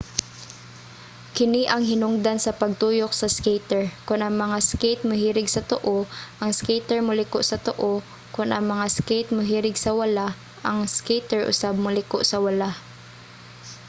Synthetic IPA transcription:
kɪniʔɐŋɦɪnʊŋd̪ansɐpɐɡ̚t̪uːjok̚sɐskejt̪ɛɹkʊnʔɐŋmɐŋaskejt̪̚mʊɦiːɾɪɡsɐt̪oʔoʔɐŋskejt̪ɛɹmʊlɪkoʔsɐt̪oʔo | kʊnʔɐŋmɐŋaskejt̪̚mʊɦiːɾɪɡsɐwɐla | ʔɐŋskejt̪ɛɹʔʊ̰sab̚mʊlɪkoʔsɐwɐla

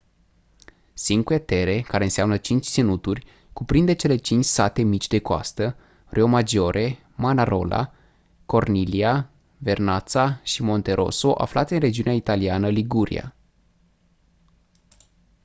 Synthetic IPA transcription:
siŋkuet̪e̞ɾe̞kaɾeɨnseamnət͡ʃint͡ʃʲsinut̪urʲ | kupɾind̪et͡ʃe̞le̞t͡ʃint͡ʃʲsat̪e̞mit͡ʃʲd̪e̞koa̰st̪ə | rʔeo̞mad͡ʒo̞ɾʔe̞ | manaɾo̞̰la̰ | ko̞rnilia | ve̞rnat̪saʃimo̞nt̪e̞ɾʔo̞̰so̞ʔa̰flat̪seɨnre̞d͡ʒiuneait̪alianəliɡuɾḭa̰

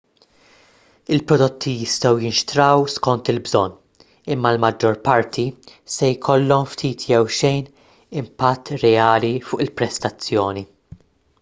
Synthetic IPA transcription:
ɪlpɾɔd̪ɔt̪ʰːijɪst̪ɛwjɪnʃt̪ɾɐwskɔnt̪ɪlbzɔnː | ɪmːɐlmɐd͡ʒːɔɾpɐɾt̪ʰisɛjkʰɔlːɔmft̪ʰiːt̪ʰjɛwʃɛjn | ɪmpɐt̪ːɾɛɐːlifʊːʔɪlpɾɛst̪ɐt͡sːjɔːni

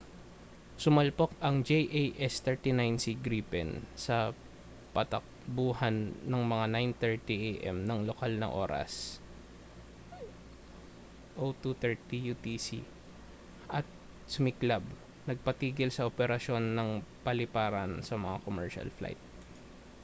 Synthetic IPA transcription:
sʊmɐlpokɐŋd͡ʒejʔejʔɛst̪ɛɹt̪inajnsiɡɾiːpɛnsɐ | pɐt̪ɐk̚buːɦɐnːɐŋmɐŋanajnt̪ɛɹt̪iʔejʔɛ̰mnɐŋlokalnɐ̰ŋʔo̞̰ːɾɐ̰s | ʔot̪ut̪ɛɹt̪ijut̪isḭ | ʔɐt̪̚ | sʊmɪklab̚ | nɐɡ̚pɐt̪iːɡɪlsɐʔopɛɾɐʃo̞nːɐŋpɐlɪpaːɾɐnsɐmɐŋakomɛɹʃɐ̰lfla̰jt̪̚

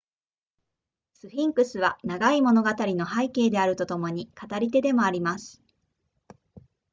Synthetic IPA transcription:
sɨɸĩŋkɯ̟sɨβanaɡaimo̞no̞ɡat̪aɾʲino̞ɦaike̞ːd̪e̞aɾɯ̟t̪o̞t̪o̞mo̞ɲ̟ikat̪aɾʲit̪e̞d̪e̞mo̞aɾʲimasɨ̥

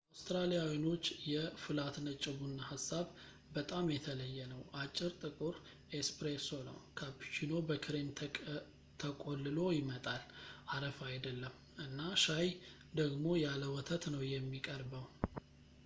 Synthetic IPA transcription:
ʔawst̪ɾalijawino̞t͡ʃːjɛfɨlat̪nət͡ʃʼːɪbunːahasːaβ | bət̪ʼamjɛt̪ʰələjːɛnəwʔat͡ʃʼːɪɾt̪ʼɨkʼuɾ | espɾesonə̰wkʰapi̥t͡ʃino̞bəkʰɨɾemʰ | t̪ʰəkʼolːɨlo̞jɪmət̪ʼalʔaɾəfajd̪əlːəmː | ʔɨnːaʃaj | d̪əɡmo̞jaləwɔt̪ʰət̪nəwjɛmːikʼəɾbəw

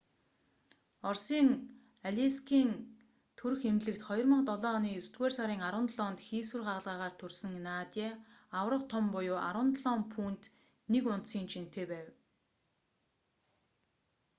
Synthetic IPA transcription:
ɔrsiːŋ | aɮʲiskʰiːn | t̪ʰɵɾɘ̆xemɮɘ̆kt̪χɔjɞ̆rmə̆qt̪ɔɮɔːniːɵst̪ɡweːrsaɾiːŋaɾwə̆nt̪ɮɔːnt̪xiːswɘ̆rɢaʁə̆ɮʁaːʁaːr̥t̪ʰɵrsɘ̆ŋnaːt̪ʲeː | awrə̆qt̪ʰɔmpʊjoːʔa̰ɾə̆nt̪ɮɔːmpʰuːnt̪ | nekʊn̥t̪siːnt͡ɕʰin̥t̪eːpæːw

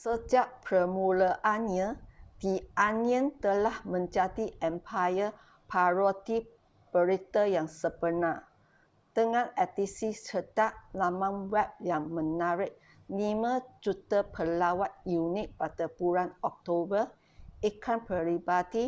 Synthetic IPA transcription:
səd͡ʒaʔpɾəmuləʔanɲadianiə̃nt̪əlahmə̃nd͡ʒadiʔɛmpʰajə | pʰaɹot̪i | b̥əɾit̪əjaŋsəbənã | t̪əŋãnɛt̪isisət̪aʔlamãnwɛp̚jaŋmə̃naɾɪʔ̚ | limãd͡ʒut̪əpʰəlawat̪̚junɪ̃t̪̚padapuɾanɔk̚t̪obə | ikʰanpəɾibadi

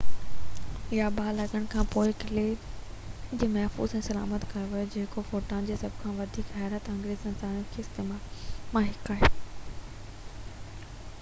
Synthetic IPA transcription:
ɪjabaːlɐɠəɽ̃̆kʰãːpoːɪkɪle | d͡ʑeːmɐɦfṵːzɛ̃ːsɐla̰ːmət̪kɐɾoʋɐjod͡ʑeːkofoːʈãːnd͡ʑeːsɐbʱkʰãʋɐd̪ʱiːkɦɛːɾət̪ɐ̃ŋɡɾeːzɪ̃nsaːnjokʰeːɪst̪eːmaːlmãɦɪkaːɦeː

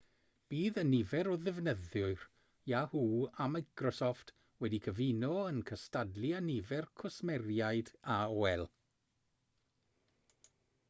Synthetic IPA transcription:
b̥iːðənɪvɛɾɔðɪvnəðʊɨr | jahuːamajkrɔsɔft | wɛdikʰəvinɔənkʰəstadlianɪvɛrkʰʊsmɛrjajdaɔɛlˠ

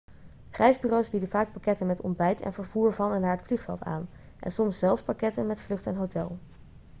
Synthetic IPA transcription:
χrɛjzbyːrowsbidənvaːk̚pakɛtənmɛtɔ̰ndbɛjtɛ̰nvəɹv̥uːɹvɑnɛnːaːɹətfliχfɛ̰lˠta̰ːn | ʔɛ̰nsɔmsːɛlˠfspakɛtənmɛtflɵχtɛnɦowtɛlˠ

